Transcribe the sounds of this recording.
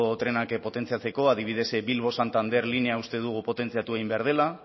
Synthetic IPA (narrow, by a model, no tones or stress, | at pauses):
ot̪ɾe̞nakpo̞t̪e̞nt͡siat͡se̞ko̞aðiβ̞ið̞e̞sbilβ̞o̞sant̪and̪e̞ɾline̞aust̪e̞ðuɣ̞upo̞t̪e̞nt͡siat̪ueɣimbeaɾðe̞la